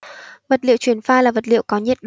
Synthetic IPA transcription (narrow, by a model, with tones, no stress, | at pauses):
və˨˩t̚lḭ˧˨wt͡ɕwi˧˩ənfaː˧laː˨˩və˨˩t̚lḭ˧˨wkɔ˨˦ɲɛ˦˥t̚ɗo